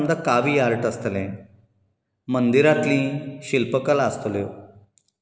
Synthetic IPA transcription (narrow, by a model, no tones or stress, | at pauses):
md̪akaʋiaɾʈəst̪lẽ | mənd̪iɾat̪lĩɕilpəkəlast̪əlo